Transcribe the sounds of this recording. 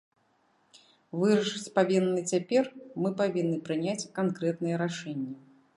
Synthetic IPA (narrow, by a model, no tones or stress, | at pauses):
vɨɾɐʂɨt͡sʲpavʲinːɨt͡sʲapʲɛrmɨpavʲinːɨpɾɨnʲat͡sʲkankɾɛt̪nɨjɛɾaʂɛnʲːɐ